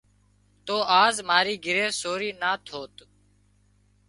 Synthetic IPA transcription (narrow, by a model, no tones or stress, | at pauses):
t̪oːʔaːzmaːɾiːɡɪɾeːsoːɾiːnaːt̪ʰoːt̪